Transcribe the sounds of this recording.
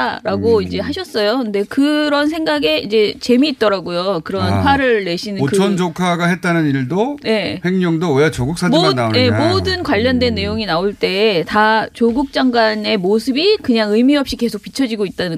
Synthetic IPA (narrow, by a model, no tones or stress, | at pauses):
aɾaɡoid͡ʑe̞ɦaɕʰʌs͈ʌjokɯnde̞kɯɾʌnsʰe̞ŋɡaɡe̞id͡ʑe̞t͡ɕe̞miːt̚t͈ʌɾaɡojokɯɾʌɦanpʰwaɾɯɭːe̞ɕʰinɯnɯʌnd͡ʑokʰaɡaɦet̚t͈anɯniɭdoje̞heŋɲʌŋdowejat͡ɕoɡuk̚s͈aaɡanaojemodɯnkwaʎːʌndwe̞nːe̞joŋinaoɭt͈e̞ːtat͡ɕoɡuk̚t͡ɕ͈aŋɡwane̞mosʰɯbikɯɲaŋɯmiʌp̚ɕ͈ike̞sʰok̚pit͡ɕʰʌd͡ʑiɡoit̚t͈anɯ